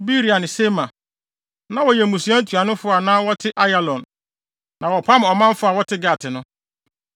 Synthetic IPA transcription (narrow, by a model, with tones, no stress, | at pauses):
bi˦ɾi˨a˨nɪ̃˨se˦mã˨ | nã˦wɔ˨jɛ˨mũ˨su˨˦a˦tʰu˨a˨nʊ̃˦fʊ˦a˨nãː˦wɔ˦tʰɪ˦ʔa˦ja˦˨lɔ̃˨nː | ã˨wɔ˨pʰa˦m˨ɔ˨mã˦m˦fʊ˦a˨wɔ˦tʰɪ˦ɡa˨tʰɪ˨nʊ̃˦